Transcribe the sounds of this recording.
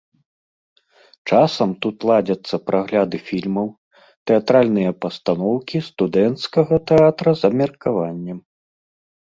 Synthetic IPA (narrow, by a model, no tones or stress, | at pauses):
t͡ʂasɐmt̪ut̪lˠad͡zʲɐt̪sːɐpɾʔaɣlʲad̪ɨfʲilʲmɐw | t̪ɛat̪ɾalʲnɨjɐpɐst̪anɔwkʲist̪ud̪ɛnt̪skɐɣɐt̪ɛat̪ɾɐzɐmʲɐrkavanʲːɛm